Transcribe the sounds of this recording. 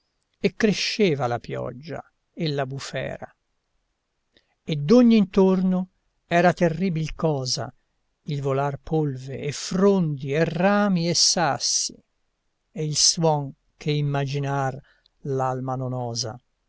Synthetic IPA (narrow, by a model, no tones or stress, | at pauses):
ekːɾeʃːeːvalapjɔ̰d͡ʒːa̰ | elːabufɛ̰ːɾa̰ | ed̪ːoɲːint̪orno | ɛːɾat̪erːiːbilkɔːza̰ | ilvolarpʰolvḛːfɾond̪ieraːmiesːasːi | eilswɔŋ | kʰeimːad͡ʒinar | lalmanonɔːza̰